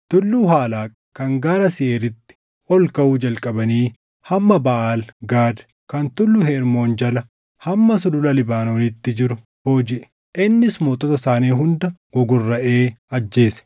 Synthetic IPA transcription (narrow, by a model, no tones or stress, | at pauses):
t̪ʊlːuːɦaːlaːkʼ | kːɐŋɡaːɾɐsɪʔeːɾɪt̪ːɪ̥ | ɔlkɐwuːd͡ʒɐlkʼɐbɐniː | hɐmːɐbɐʔaːlɡaːd̪ | kɐnt̪ʊlːʊhɛɪɾmo̞ːnd͡ʒɐlɐ | hɐmːɐsʊlʊlɐlɪbaːno̞ːnɪt̪ːɪd͡ʒɪɾʊ | hoːd͡ʒɪʔɛ̥ | ʔɪnːɪsmoːt̪ʼɔt̪ɐsaːniːɦʊnd̪ɐɡ̥ɔɡʊrːɐʔe̞ːɐd͡ʒːe̞ːsɛ̥